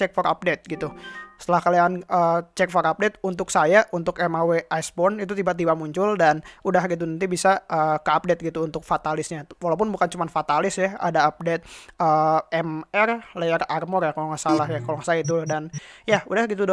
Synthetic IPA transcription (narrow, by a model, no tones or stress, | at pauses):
ɛk̚fɔɾa̰p̚det̪̚ɡit̪usət̪əlahkalianəːt͡ʃɛk̚fɔɾap̚det̪̚unt̪ʊksajaʔunt̪ʊkɛmaweʔajsbɔnit̪ut̪̬ibat̪̬ibamuɲt͡ʃʊldanudaɦɡit̪̬unant̪ibisaəːkəap̚det̪̚ɡit̪uːnt̪ʊk̚fat̪alɪsɲawalawp̬ʊnbukant͡ʃumanfat̪alɪsjaa̰daːp̚det̪̚əːɛmɛrlajararmɔrjakolɔŋasalaɦjakolɔŋsajait̪udanjaudahɡit̪̬ud